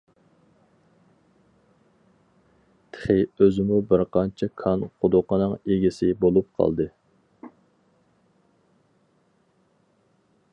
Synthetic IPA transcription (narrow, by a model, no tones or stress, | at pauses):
t̪ʰə̥χɪøzɪmubɪɾqɑnt͡ʃʰɛkʰɑnqʰod̪oqənɨŋeɡʲisɪbolˠup̚qʰɑ̰lˠd̪ɨ